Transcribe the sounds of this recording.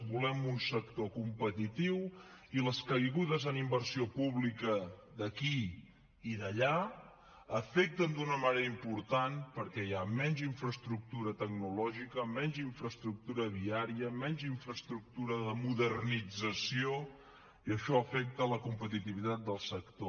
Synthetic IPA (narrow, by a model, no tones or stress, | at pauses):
bulɛmunsək̚t̪okumpət̪it̪iw | iləskəjɣuðəzənimbəɾsiopuβlikəd̪əki | iðəʎa | əfek̚t̪ənd̪unəməneɾəimpuɾt̪anpəɾkɛjamɛɲʲd͡ʒiɱfɾəst̪ɾuk̚t̪uɾət̪əɡ̚nulɔʒikəmɛɲʲd͡ʒiɱfɾəst̪ɾuk̚t̪uɾəβiaɾiəmɛɲʲd͡ʒiɱfɾəst̪ɾuk̚t̪uɾəðəmuðərnid͡zəsio | iəʃɔəfɛk̚t̪ələkumpət̪it̪iβit̪at̪̚d̪əlˠsəkt̪o